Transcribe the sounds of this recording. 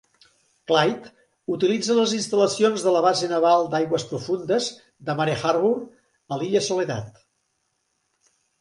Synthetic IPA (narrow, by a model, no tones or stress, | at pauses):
klajt̪ | ut̪ilid͡zələzinst̪ələsionzðələβ̞azenəβalˠd̪ajɣwəspɾufund̪əz | d̪əmaɾexaɾβur | əliʎəsuleða̰t̪